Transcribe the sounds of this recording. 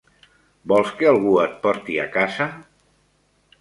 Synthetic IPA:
bɔlˠskealˠɣuət̪̚pɔɾt̪ia̰kaza

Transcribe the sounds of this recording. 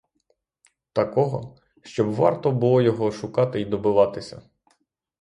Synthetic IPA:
t̪ɐkɔɦɔ̰ | ʃt͡ʃɔbʋɑ̰rt̪ɔbʊlˠɔjɔɦɔʃʊkɑt̪ɪid̪ɔbʊʋɑt̪ɪsʲɐ̰

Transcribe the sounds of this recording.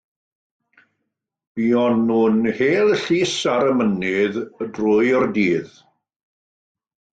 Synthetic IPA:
b̥iɔnunheːlˠɬiːsaɾəmənɪðədrʊjɔrdiːð

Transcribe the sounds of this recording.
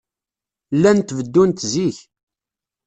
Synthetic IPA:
lːænt̪vəd̪ːunt̪ziç

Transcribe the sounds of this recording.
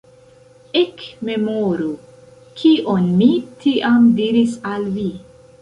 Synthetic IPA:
ekme̞moɾu | kʰiʔo̞nmitʰiʔamdiɾisalvi

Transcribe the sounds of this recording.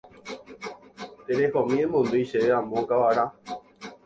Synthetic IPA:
t̪eɾehɔmĩẽmõnd̪oiʃeeamõkawaɾa

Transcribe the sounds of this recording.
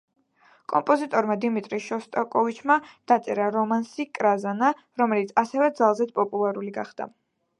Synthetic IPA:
kʼɔmpʼɔzit̪ʼɔɾmad̪imit̪ʼɾiʃɔst̪ʼakʼɔvit͡ʃʰmad̪̥at̪sʼɛɾaɾɔmansikʼɾazana | ɾɔmɛlit̪sʰasɛvɛd̪zalˠzɛt̪pʼɔpʼulˠaɾuliɡaχd̪̥a̰

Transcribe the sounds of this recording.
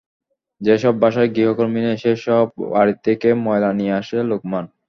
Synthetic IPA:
d͡ʑeʃɔbːaʃaeɡɾiɦokoɾmineʃeʃɔb̚aɾit̪ʰːekemɔelanieaʃelokman

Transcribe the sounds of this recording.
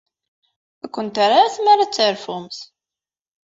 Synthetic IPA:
ækʷːənt̪aɾaθmaɾat͡sːəɾfʊmθ

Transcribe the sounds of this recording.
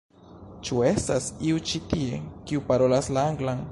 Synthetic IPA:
t͡ʃue̞stasiut͡ʃitie̞kiupaɾo̞laslaaŋɡlan

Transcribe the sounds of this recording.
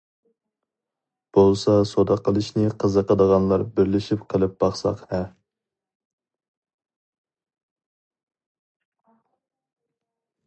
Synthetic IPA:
b̥olˠsɑsod̪ɑqʰəlˠɨʃnɪqʰəzəqəd̪əʁɑnlˠɑɾbɪɾlɪʃipqʰəlˠɨp̚b̥ɑχsɑqhɛ

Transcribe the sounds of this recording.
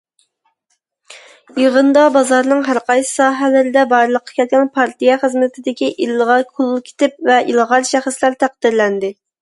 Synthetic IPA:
jiʁənd̪ɑbɑzɑɾnɨŋɦæɾqʰɑjsɨ̥sɑːɦɛlɪɾɪd̪ɛbɑɾlˠəqʰːɑ̥kʲʰɛlt̪̚kʲɛnpʰɑɾt̪ijɛχəzmɪt̪ʰɪd̪ɪkʲiʔilˠʁɑɾkʰʊlˠlˠkʲʰe̥t̪ɪp̚vɛilˠʁɑɾʃɛχəslæɾt̪ʰæq̚d̪ɪɾlɛnd̪ɪ

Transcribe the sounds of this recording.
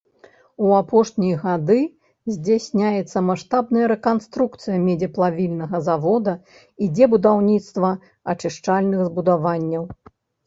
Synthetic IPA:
uapɔʂnʲijɐɣad̪ɨ | zʲd͡zʲasʲnʲajɛt̪sːɐmaʂt̪abnɐjɐɾɛkanst̪ɾukt̪sɨjɐmʲɛd͡zʲɛplˠavʲilʲnɐɣɐzavɔd̪ɐ | id͡zʲɛbud̪awnʲit̪st̪vɐ | at͡ʂɨʂt͡ʂalʲnɨɣzbud̪avanʲːɐw

